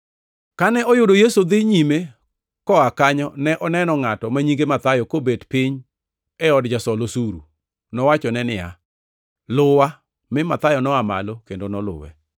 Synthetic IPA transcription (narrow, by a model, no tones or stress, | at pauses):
kanɛɔjʊdojesod̪ɪɲime | kɔakaɲɔnɛʔɔnɛnɔŋatɔmaɲiɡemat̪ajɔkobedpɪɲ | ɛɔdd͡ʒasɔlosuɾṵ | nɔwat͡ʃɔnɛnɪja̰ | lʊwa | mɪmat̪ajɔnɔama̰lokendonɔlʊ̰wɛ̰